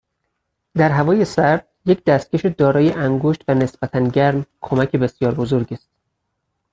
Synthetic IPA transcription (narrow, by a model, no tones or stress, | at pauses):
d̪æɾɦævɒːjesæɾd̪̥ | je̞cd̪æst̪̚ceʃed̪ɒːɾɒːjeʔæŋɡoʃt̪væne̞sb̥æt̪ʰænɟæɾmkʰo̞mæcʰe̞be̞sjɒːɾbo̞zo̞ɾɟiːst̪̚